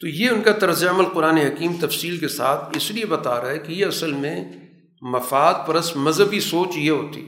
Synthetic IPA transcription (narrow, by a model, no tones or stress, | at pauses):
t̪oːjeʊnkat̪ɐɾzijaɐməlqʊɾaːneɦɐkiːmt̪ɐfsiːlkesa̰ːt̪ʰɪsliebɐt̪aːɾaːɦɛkijeɐsəlmẽ | mɐfaːd̪̚pɐɾɐsmɐzɦəbisoːt͡ʃjeɦoːt̪ḭɛ